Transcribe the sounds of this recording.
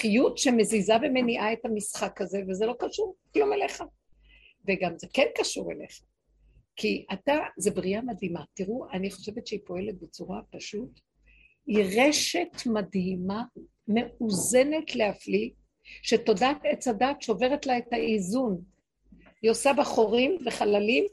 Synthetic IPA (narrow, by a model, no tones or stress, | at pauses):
χijutʃeme̞zizabemeniʔae̞thamisχakaze̞vezelo̞kaʃuʁklumeleχa | veɡamzekenkaʃuʁḛleχḁ | kiʔatazebʁiamadimatiʁuaniχoʃe̞vetʃeipo̞e̞let̚bet͡suʁapaʃut | iʁeʃe̞tmadhima | me̞uze̞ne̞tle̞afli | ʃe̞to̞datet͡sadaːtʃeove̞ʁetlaetaizun | josabaχo̞ʁimveχalalim